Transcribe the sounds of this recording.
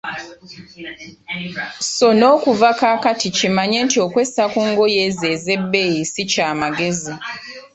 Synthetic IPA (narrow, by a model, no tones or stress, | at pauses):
so̞no̞ːkuvakaːkaticimaɲe̞ntio̞kwe̞sakuŋɡo̞jeːze̞ːze̞bːejisicaːmaɡe̞zi